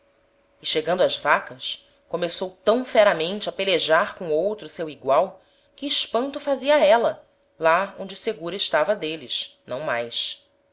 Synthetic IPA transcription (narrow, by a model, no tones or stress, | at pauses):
ɪʃeɡɐ̃nd̪ʊɐzvakɐʃ | komesowt̪ɐ̃w̃fɛɾɐmẽnt͡ʃɪɐpeleʒaɾkõowt̪ɾʊsewiɡwaw | kɪːʃpɐ̃nt̪ʊfaziɐɛlɐ | laõñd͡ʒɪseɡuɾɐɪʃt̪avɐd̪elɪʃnɐ̰̃w̃majs